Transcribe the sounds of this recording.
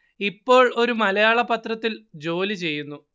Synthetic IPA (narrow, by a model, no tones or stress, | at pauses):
ipːo̞ːɭo̞ɾumɐlɐjaːɭɐpɐt̪rɐt̪ːild͡ʑo̞ːlit͡ɕe̞jːunːu